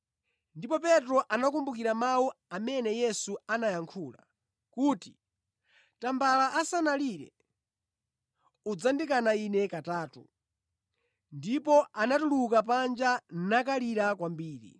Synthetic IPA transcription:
ndipɔpɛtɾɔʔanakumbukiɾamauamɛnɛjɛsuanajaŋkʰuːla̰ | kuːti | tambalaʔasanaliɾɛ̰ | ud͡zandikanainɛkataːtṵ | ndipɔʔanatulukap̬and͡ʒanak̬aliɾakwambiːɾḭ

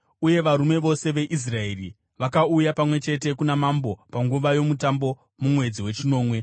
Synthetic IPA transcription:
uje̞ʋaɾume̞ʋo̞se̞ʋe̞ʔis̬raeri | ʋakaujapamwe̞t͡ʃe̞te̞kunamambo̞paŋɡuʋajo̞mutambo̞ | mumwe̞d͡ziwe̞t͡ʃino̞ːmwe̞

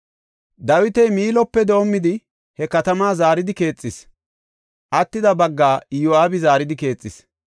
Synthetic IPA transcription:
d̪ɐwɪt̪ɛjmiːlɔpːɛd̪o̞ːmːɪd̪ɪ | hɛkɐt̪ɐmaːzaːɾɪd̪ɪke̞ːt͡sʼːɪs | ʔɐt̪ːɪd̪ɐbɐɡːaːjoaːbɪzaːɾɪd̪ɪke̞ːt͡sʼːɪs

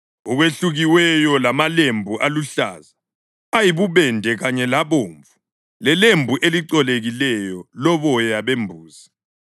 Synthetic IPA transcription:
uɣweɬuɣiwɛjɔlamalembʱuʔaluɬa̰ːzaː | jiβuβɛndʱɛɣaɲɛlaβoːɱvu̥ | lɛlembʱuʔeliǀɔleɣilɛjɔlɔβɔjaβembʱuːz̥i

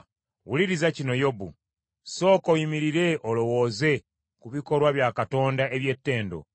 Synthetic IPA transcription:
wuliɾizacino̞jo̞bṵ | so̞ːkoimiɾiɾe̞ʔolo̞wo̞ːze̞ | kuβiko̞ɾwaβjakato̞ːndaʔeβje̞tːe̞ːndo̞̰

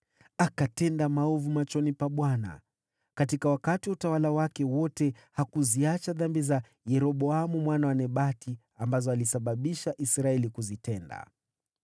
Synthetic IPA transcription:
akatɛndamaɔvumat͡ʃɔnipaɓwana̰ | katikawakatiwautawalawakɛwɔtɛ | hakuziat͡ʃaðambiza | jɛɾɔɓɔamumwanawanɛɓatʰi | ambazɔalisaɓaɓiʃaʔisɾaɛlikuzitɛnda̰

